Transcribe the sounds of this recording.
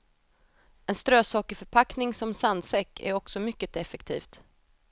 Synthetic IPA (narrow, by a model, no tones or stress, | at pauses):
ɛnst̪ɾøːsɑːkɪfœɾpʰaknɪŋsɔmsand̪sɛkːæ̰ɾɔksɔmʏkːət̪ɛfɛkt̪ʰḭːft̪